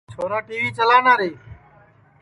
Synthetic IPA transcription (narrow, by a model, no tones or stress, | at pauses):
t͡ʃʰoːɾaːʈiːʋiːt͡ʃəlaːnaːɾeː